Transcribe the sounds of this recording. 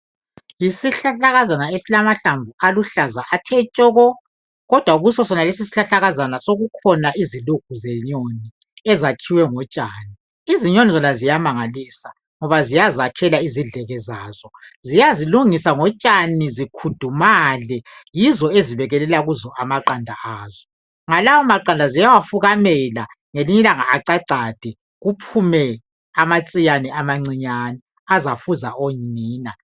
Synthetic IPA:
jisiɬaɬaɣazanaesilamaɬaɱvʱualuɬazaʔatʰɛt͡ʃʼɔɣɔ | ɣɔd̥ʱwauɣusɔsɔnalesisi̥ɬaɬaɣazanasoɣukʰɔnaʔiziluk̚ʰuzɛɲoni | ɛzakʰiwɛŋɔt͡ʃʼaːni | iziɲonizɔnazijamaŋaliːsa | ŋɔβazijazakʰɛlaiziɮɛɣɛzaːzɔzijaziluŋisaŋɔt͡ʃʼanizikʰud̥ʱumalɛjizɔeziβɛɣɛlɛlaɣuzɔʔamaǃandʱa̰ʔaːzɔ | ŋalawɔmaǃandʱazijawafuɣamɛla | ŋeliɲilaŋaaǀaǀad̥ʱɛ | ɣupʰumɛ | amat͡sʼijanɛamaŋ͡ǀiɲanɛ | azafuzaʔoɲiːna

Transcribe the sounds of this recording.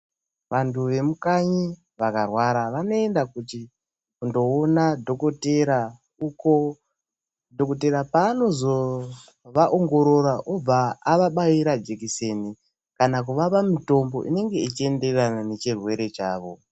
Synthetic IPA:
ʋantʰuʋe̞mukaɲi | ʋakarwaɾaʋano̞e̞ndakuti | kundo̞ːnadʱo̞ko̞te̞ɾa | uko̞ | dʱo̞kot̬e̞ɾapaːno̞zo | ʋaʔoŋɡo̞ɾo̞ɾaʔob͡vaːʋaɓaiɾad͡ʒekise̞ːni | kanak̬uʋapamito̞mbo̞̰ʔḭne̞ŋɡe̞it͡ʃie̞nde̞ranane̞t͡ʃirwe̞ɾe̞t͡ʃaːʋo̞

